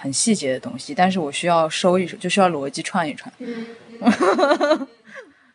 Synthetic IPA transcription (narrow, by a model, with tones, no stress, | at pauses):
xə˨˩nɕi˥˩t͡ɕjɛ˧˥d̪ə˧t̪ʊ˥ŋɕi˨t̪a˥˧nʂ̬ɻ̩˥˩wɔ˨˩ɕy˥jɑ˥˩ʊʂo˥ʊi˥˩ʂt͡ɕjo˥˩ʊɕjɑ˥˩lwɔ˧˥t͡ɕi˥ʈ͡ʂʰwa˥˧ni˥˩ʈ͡ʂʰwa˥˩n